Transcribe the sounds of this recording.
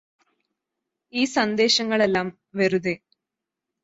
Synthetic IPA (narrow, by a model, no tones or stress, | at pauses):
iːsɐnd̪e̞ːɕɐŋːɐɭelːaːm | ʋeɾuðeː